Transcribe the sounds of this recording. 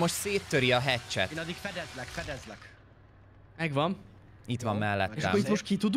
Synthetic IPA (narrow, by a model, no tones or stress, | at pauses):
mo̞ʃt̪seːt̪ːøɾiɒɦɛt͡ʃːɛ̰t̪nɒd̪ikfɛd̪ɛzlɛkfɛd̪ɛzlɛk | mɛɡʋɒm | it̪ʋɒmːɛlːɛ̰t̪ːʃːɛ̰it̪moʃt̪̚kit̪ud̪